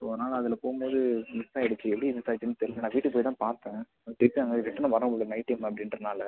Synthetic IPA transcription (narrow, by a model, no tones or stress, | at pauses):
poːðnaːlɐɐðɪlɐpoːɣɯmboːðɯmɪsaːɛɽɯt͡ʃːɯɛpːɐɽimɪsaːt͡ʃːɯnːɯt̪ɛɾɪʋnãːʋiːʈːɯpoːjt̪ãːpaːɾt̪ẽː | t̪ɪɾpiaːŋɐʋɛʈːɐnɐ̃ʋɐɾɐ̃oɭːnɐɪʈːɐmɐpːɐɽɪnɾɐnaːlɐ